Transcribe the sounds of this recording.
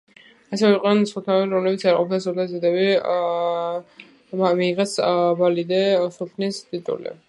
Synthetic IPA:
asɛvɛiqʼnɛnsχɔt̪ʰnaɛbiɾɔmlɛbit̪sʰaɾqʼɔpʰnasɔt̪azid̪ɛβi | miːʁɛsbalid̪ɛsupʰnist̪ʼit̪ʼṵlḭ

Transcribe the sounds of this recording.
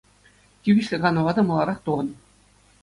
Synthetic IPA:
tʲybʲiɕʲlʲɘ̆ɡɑnɤ̆ʋɑd̪ɑmɤlˠɑɾɑχt̪uʁɤ̆n

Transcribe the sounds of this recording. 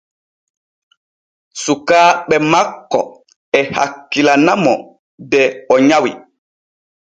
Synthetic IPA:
sukaːɓɛmakːɔ̰ | ɛha̰kːilanamɔ | dɛɔɲawi

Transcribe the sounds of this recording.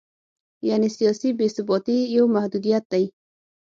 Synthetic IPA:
janisijɔsibesɪbɔt̪ijawmahd̪ud̪ijat̪̚d̪aj

